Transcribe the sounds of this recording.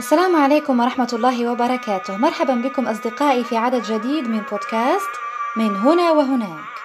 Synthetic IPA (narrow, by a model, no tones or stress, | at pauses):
ʔasːalaːmʕaleːkʊmwɑɾˤɑħmat̪lˤːɑːɦɪwɑbɑɾˤɑkaːt̪ʊhmɑɾˤħabanbɪkʊmʔɑs̬ˤd̪ɪqɑːʔifiʕad̪ad̪d͡ʒad̪iːd̪mɪnboːd̪kaːst̪mɪnɦʊnawɪɦʊnaːk